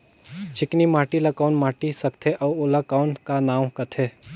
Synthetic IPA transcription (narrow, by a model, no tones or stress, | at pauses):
t͡ʃɪknimaːʈilɐkaːʊnmaːʈisɐkt̪ʰeʔɔːolɐkaːʊnkanaːwkɐt̪ʰeː